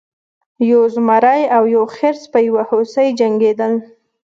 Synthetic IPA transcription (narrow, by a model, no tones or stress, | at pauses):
jozmaɾajawjoxeɾspəjawahosəjd͡ʒaŋɡed̪əl